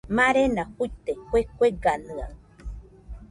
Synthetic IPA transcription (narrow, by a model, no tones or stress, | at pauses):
maɾenahuit̪ekʷekʷeɡanɨa̰